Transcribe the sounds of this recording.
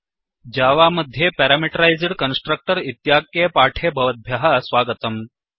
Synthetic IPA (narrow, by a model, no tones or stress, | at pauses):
d͡ʑaːʋaməd̪ʱːjepɛɾamiʈəɾajzɽkənsʈɾək̚ʈəɾit̪jakepaːʈʰebʱɐʋət̪̚bʱjaɦasʋaːɡət̪əm